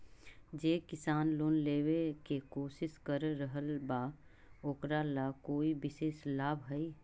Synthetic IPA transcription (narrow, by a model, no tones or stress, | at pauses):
d͡ʒeːkɪsaːnloːnleːwekekoːʃɪʃkəɾːəɦəlba | oːkɾalakoːibɪʃeːʃlaːbʱɦɛi